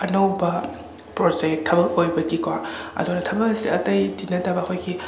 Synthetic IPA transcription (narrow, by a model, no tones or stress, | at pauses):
ɐnɐwbɐ | pɾod͡ʒek̚tʰːɐbɐk̚ojbɐɡikwaɐ̰dunɐtʰɐbɐk̚ɐsiʔɐtɐjdinɐtabɐːkʰojɡi